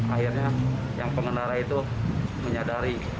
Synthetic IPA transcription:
airɲa | jaŋpəŋənaɾait̪u | məɲadaɾi

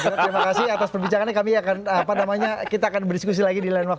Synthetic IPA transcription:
d͡ʒaɾimakasiat̪aspərbiɲt͡ʃaŋanakamiakanapanamaɲakit̪aːkanbərdiskus̬ilaɡidilanwak̚t

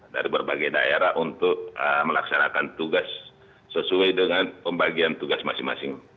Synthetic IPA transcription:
da̰ɾibərbaɡajda̰eɾaʔunt̪ʊk̚əməlaksanakant̪uɡasː | əsuajdəŋanpəmbaɡiant̪uɡasmasɪiŋma̰sɪŋ

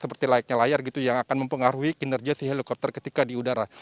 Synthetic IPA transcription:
səpərt̪ilaik̚ɲalajarɡit̪ujaŋakanməmpəŋaɾuikinərɡiasiɦelikɔp̚t̪ərkət̪ikadiudaɾa

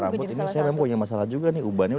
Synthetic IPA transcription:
ɾa̰mppʊt̪inisajamemaŋpuɲamasalahd͡ʒuɡaniubanau

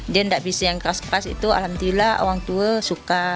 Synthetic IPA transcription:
d͡ʒəndaʔbisajaŋkaskasḭt̪ua̰lamt̪ilao̰waŋt̪uəsuka

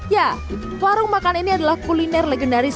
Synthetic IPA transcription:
ja | kaɾʊŋmakaniniadalahkulinɛrleɡəndaɾis

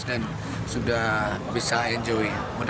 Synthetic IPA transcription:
sdan | sudahbisaɛnd͡ʒowi | mən

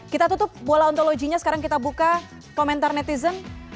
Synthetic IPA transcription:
kit̪at̪ut̪ʊp̚bolaɔnt̪oloɡiɲasə̥kaɾaŋkit̪abuka | komɛnt̪arnɛt̪izən

